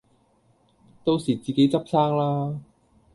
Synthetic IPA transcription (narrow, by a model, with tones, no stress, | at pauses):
t̪o˥wsiː˨˩t͡siː˨ke˨˥jt͡sɐ˥p̚saː˥ŋlaː˥